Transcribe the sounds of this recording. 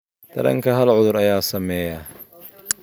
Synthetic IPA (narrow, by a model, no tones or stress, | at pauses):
d̪̥ʰɐɾɐ̰ŋkʰɐɦɐlʕʊðʊɾɐjaːsɐmɛːjɐ